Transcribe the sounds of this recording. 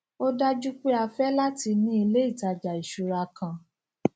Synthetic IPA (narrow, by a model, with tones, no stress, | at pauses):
o˦da˦d͡ʒu˦k͡pe˦a˧fɛ˦la˦ti˧nĩ˦i˧le˦i˦˨ta˧d͡ʒa˨i˨ʃu˨ɾa˧kã˧